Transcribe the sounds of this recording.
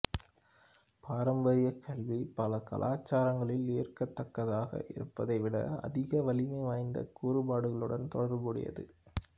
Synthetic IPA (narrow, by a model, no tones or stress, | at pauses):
pʰaːɾɐmbɐɾɪjɐkʰɐɭʋipɐlɐkɐ̰lʔaːt͡ʃːaːɾɐŋɡɐɭɪlːijɐrkɐt̪ːɐkːɐðaːɣɐ̰ʔɪ̰ɾɯpːɐðɐɪʋɪɽɐ̰ɐ̰ðɪɣɐʋɐlɪmɐɪʋaːjnd̪ɐ̰kuːɾɯbaːɽɯɣɐɭɯɽɐnt̪ɔɽɐɾmɯɽɪ̰jɐ̰ðɯ̰